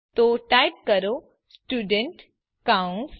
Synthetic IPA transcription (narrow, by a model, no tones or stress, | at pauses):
t̪oʈajp̚kəɾo | sʈuːɖeɳʈ | kaw̃s